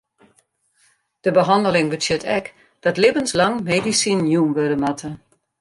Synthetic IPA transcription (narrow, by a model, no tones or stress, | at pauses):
d̥əbəɦɑndəlɪŋbətjøtʰɛk | d̥ɑtlɪbənslɑŋmedisinjumʋødəmatʰə